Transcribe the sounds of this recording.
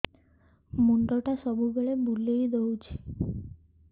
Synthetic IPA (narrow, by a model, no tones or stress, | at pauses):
muɳʈoʈasɔbubeɭebulejd̪owt͡ɕʰi̥